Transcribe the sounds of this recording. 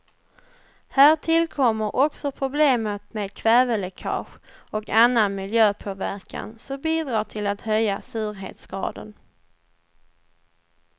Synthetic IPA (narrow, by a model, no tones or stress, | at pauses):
hæːʈʰɪlkʰɔmːəɾʔɔksɔpʰɾʊbleːmət̪meːd̪̚kʰvɛːvəlɛkʰɑ̰ːɧɔkanːanmɪljøːpʰoːvæɾkʰa̰nsɔmbiːd̪ɾɑːʈʰɪlat̪hœjːasʉ̟ːɾɦḛːt̪sɡ̥ɾɑ̰ːd̪ə̰n